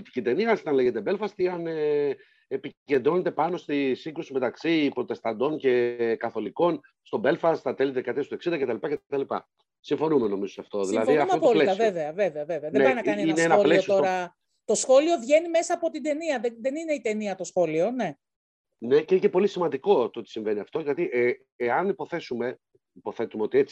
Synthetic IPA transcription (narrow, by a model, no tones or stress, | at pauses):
polit̪i̥cit̪e̞niɐnsit̪ɐnle̞ʝe̞t̪̬ebe̞lfɐst̪iɐn | epice̞nd̪ɾo̞ne̞t̪e̞pɐno̞st̪isiŋɡɾusime̞t̪ɐksipɾo̞t̪e̞st̪ɐnd̪o̞nce̞kɐθo̞liko̞n | st̪o̞be̞lfɐsθɐt̪elet̪ekɐt̪est̪oeksind̪ɐcet̪ɐlipɐcet̪ɐlipɐ̰ | siɱfo̞numeno̞mizo̞sɐft̪o̞ðilɐðiɐfmɐopoollesɐveveɐveveɐveveɐðeneɾinɐkɐnieineenɐoplesosiooɾɐ | t̪o̞sxo̞lio̞vʝe̞nime̞sɐːpo̞t̪id̪e̞niɐðeðenineit̪e̞niɐt̪o̞sxolio̞ne̞ | ne̞ceincepo̞lisimɐnd̪iko̞t̪oot̪i̥siɱve̞niɐft̪o̞ʝɐt̪iʔ | eɐnipo̞θe̞sume̞ | ipo̞θe̞t̪umeo̞t̪iet͡si̥